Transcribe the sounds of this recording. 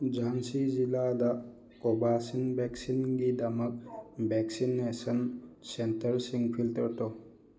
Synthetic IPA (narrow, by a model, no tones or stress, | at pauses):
d͡ʒansiziladɐ | kobasinbɛksinɡidɐmɐk̚beksinːesənsentəɾsiŋpʰiltəɾto